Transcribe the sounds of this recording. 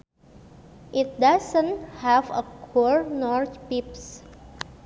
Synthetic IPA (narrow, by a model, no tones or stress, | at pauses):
ʔit̚dasə̃nhɛvəkʰɔɹnɔɹt͡ʃpips